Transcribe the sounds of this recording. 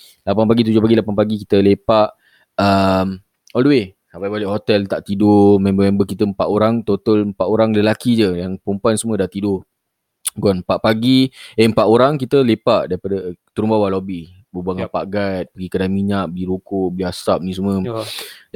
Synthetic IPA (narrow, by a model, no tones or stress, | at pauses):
lapanpaɡit̪̬ud͡ʒohpaɡilapanpaɡikit̪əlepaʔ | əm | ɔldəwe | sapajbalɪʔhot̪ɛlt̪aʔt̪idʊmɛ̃mbəmɛ̃mbəkit̪əəmpaʔoɾaŋt̪ot̪ələmpaʔ̪oɾaŋləlakid͡ʒəjaŋpumpansəmũədaht̪idʊ | ɡanəmpaʔ̚paɡiəəmpaʔ̪oɾaŋkit̪əlepaʔdaɾipadət̪uɾumbawalobih | bəbaŋapaʔɡajt̪̚pəɡikadanmiɲaʔ̚bəliɾukʊʔbəliasap̚nĩs̬umuə̃